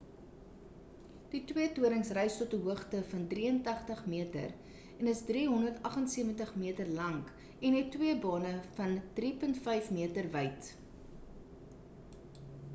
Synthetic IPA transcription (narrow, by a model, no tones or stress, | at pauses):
d̥itwiətuəɾəŋsrɛjstɔtəɦuəχtəfɐndriəntɐχtəχmiətə̰r | ɛnəsdriːɦɔndərtɐχənsiəvəntəχmiətərlɐŋk | ɛnɦɛtːwiəbɑːnəfɐnd̥ripəntfəjfmiətərvəjt